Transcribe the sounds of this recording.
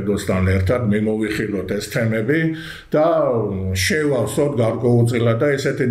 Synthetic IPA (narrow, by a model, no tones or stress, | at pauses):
d̪ɔst̪ʰanɛɾt̪ʰad̪mimɔviχilɔt̪ʰɛst̪ʰɛmɛbi | d̪̥a | ʃɛvafsɔt̪̚ʰɡaɾkʼwɛult̪sʼilad̪d̪aisɛt̪ʰi